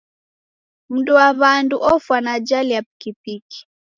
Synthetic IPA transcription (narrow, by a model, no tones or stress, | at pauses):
m̩duwaβanduʔɔfwanad͡ʒaliapi̥kipiki̥